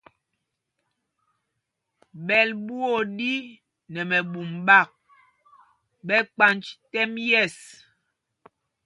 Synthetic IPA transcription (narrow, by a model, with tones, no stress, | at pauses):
ɓɛ˨lbu˦o˦˨di˦ | nɛ˨mɛ˨ɓu˨mɓa˦˨k̚ | ɓɛ˦k͡pa˦nt͡ʃtɛ˦mjɛ˦˨s